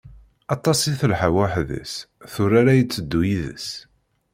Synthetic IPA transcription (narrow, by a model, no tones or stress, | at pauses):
ɑt̪ˤːɑsˤiθəlħawæħðə̰s | θʊɾaɾajət͡sːəd̪ːujiðə̰s